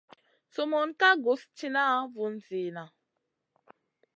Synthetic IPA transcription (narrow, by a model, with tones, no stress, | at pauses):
so˨mo˨nka˦ɡo˨˦st͡ʃi˦na˦vu˨nzi˨na˨